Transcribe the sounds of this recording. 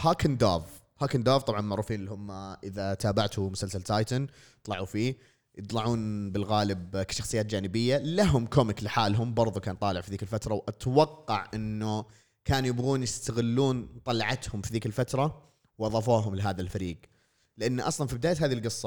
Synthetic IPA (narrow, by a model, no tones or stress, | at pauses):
haːkɪnd̪aːv | haːkɪnd̪aːvt̪ˤɑbʕɑnmaʕɾuːfiːnɪlihʊmːʔɪðat̪aːbaʕt̪umʊsalsalt̪ajt̪ʊn | t̪ˤlɑʕufiː | jɨt̪ˤlɑʕuːnbɪlɣaːlɪbkḁʃɑxsˤɨjːaːt̪̚d͡ʒaːnɪbɪjːalaɦʊmkomɪklɪħaːlɦʊmbɑɾˤðˤukaːnt̪ˤɑːlɪʕfiðiːkɪlfat̪ɾˤɑwʔat̪wɑqːɑʕʔɪnːʊ | kaːnjɪbɣuːnjɪst̪aɣɪlːuːnt̪ˤɑlɑʕɑt̪hʊmfiðiːkɪlfat̪ɾˤɑ | wʔɑðˤɑːfuːɦʊmlɪɦaːðalfaɾiːɡ | lɪʔanːʔɑsˤlɑnfibɪd̪aːjaɦaːðilɡɨsˤːɑ